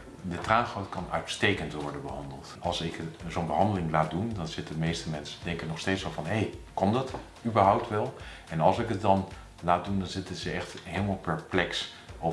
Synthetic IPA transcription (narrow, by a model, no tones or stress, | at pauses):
dətraːχowtkɑnœ̰ɥtstejkəntʋɔɹdənbəɦɑndəlˠtɑlˠsɪkzonbəɦɑndəlɪŋlaːt̚dundɑnz̥ɪtəmejstəmɛnsədɛŋkənɔχsteːtsʋɛlˠvɑnɦejkɔndɑt | ybəɹɦɔwp̚tʋɛlˠ | ɛnɑlˠsɪkət̚dɑn | laːt̚dundɑnzɪtəzəɛχtɦeːləmalˠpɛɹplɛks | ʔo